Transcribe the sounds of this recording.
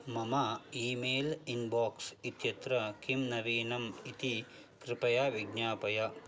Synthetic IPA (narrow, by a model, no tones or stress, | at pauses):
mɐmɐiːmeːlinbaːksit̪jɐt̪ɾɐkimnɐʋiːnɐmit̪i | kɾɪpɐjaːʋiɡnaːpɐjɐ